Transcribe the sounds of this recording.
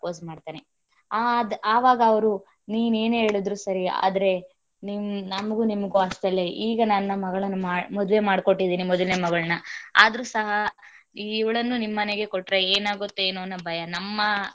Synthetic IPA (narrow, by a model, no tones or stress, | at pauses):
koːs̬maːɖt̪aːne | ad̪aːʋaːɡɐːʋɐɾu | niːnue̞ːne̞ːɭid̪ɾusɐɾia̰ːd̪ɐɾe̞ | nimnɐmɐɡunimɐɡuɐʂʈɐlːe̞ʔiːɡɐnɐnːɐmɐɡɐɭɐnːumaːmɔd̪ʋe̞maːɽko̞ʈːid̪iːnimɔd̪ɐlneːmɐɡɐɭɐnɐa̰ːd̪ɐɾusɐɦɐ | iːʋɐɭɐnːunimːɐneɡe̞koʈːɾeeːnaːɡot̪ːueːnuɐnːɐbʱɐjɐnɐmːɐ